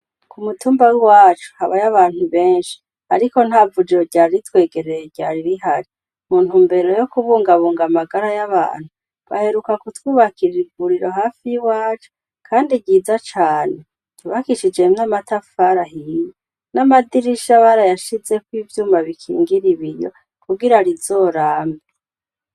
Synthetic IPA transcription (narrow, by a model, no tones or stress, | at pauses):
kumutuːmbawiwaːt͡ʃu̥haβajaβaːn̥huβe̞ːnʃi̥ | aɾiko̞n̥havud͡ʒeɟaːɾɾitwe̞ːɡe̞ɾejeɟaɾiɾiɦaɾi | muːn̥huːmbe̞ɾo̞jo̞kuβuːŋɡaβuːŋɡamaɡaɾajaβa̰ːn̥hu | βa̰he̞ɾukakutwiːβakiɾiɡuɾiɾo̞ɦaːfijiwaːt͡ʃo̥ | kʰaːndiɟiːzat͡ʃaːne̞ | ɟ̥uβakiʃid͡ʒe̞namatafaɾaɦije | namadiɾiʃaβaɾajaʃize̞kwiːvjuːmaβikʰḭːŋɡiɾiβijo̰ | kuɡiɾaɾizo̞ːɾaːmbi